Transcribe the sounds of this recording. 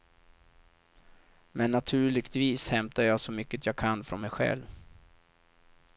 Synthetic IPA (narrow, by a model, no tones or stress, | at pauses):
mɛnːat̪ʰʉ̟ːɭɪɡt̪viːshɛmt̪ajɑːɡsɔmʏkːət̪ʰjɑːɡkʰanːfɾɔnmɛjɧɛ̰lv